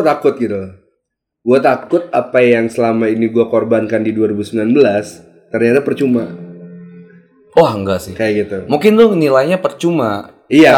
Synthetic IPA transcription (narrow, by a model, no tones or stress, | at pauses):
t̪akʊt̪̚ɡit̪u | ɡuat̪akʊt̪̚apajaŋsəlamainiɡuakorbankandiduaɾibusəmbilanbəlas | t̪ərɲat̪apərt͡ʃuma | ɔhŋɡasɪkajaɡit̪umuŋkɪnt̪ʊnilajɲapərt͡ʃuma | ia